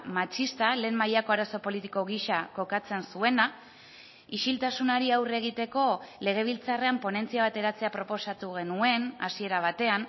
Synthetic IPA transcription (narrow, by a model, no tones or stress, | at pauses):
mat͡ʃist̪ale̞ːmːajako̞aɾaso̞po̞lit̪iko̞ɣiʃako̞kat͡se̞nsue̞na | iʃilt̪asunaɾiawre̞ɣ̞it̪e̞ko̞le̞ɣ̞e̞β̞ilt͡sare̞ampo̞ne̞nt͡siaβ̞at̪e̞ɾat͡se̞apɾo̞po̞sat̪uɣ̞e̞nue̞nasie̞ɾaβ̞at̪e̞an